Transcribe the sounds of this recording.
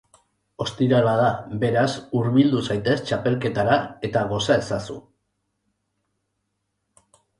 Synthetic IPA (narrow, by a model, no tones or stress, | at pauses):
o̞st̪iɾalaðaβe̞ɾasuɾβild̪usajt̪e̞st͡ʃape̞lke̞t̪aɾae̞t̪aɣo̞sae̞sasṵ